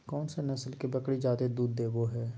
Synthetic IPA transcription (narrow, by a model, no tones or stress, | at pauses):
kɔːnsenɐsəlkebəkɽid͡ʒaːd̪ed̪uːd̪ːeːɡoɦɛː